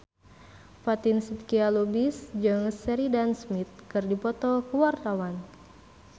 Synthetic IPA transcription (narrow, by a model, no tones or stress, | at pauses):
fat̪insit̪kialobisd͡ʒəŋsɛɾidansmit̪̚kɨrdipɔt̪ɔkəwart̪awan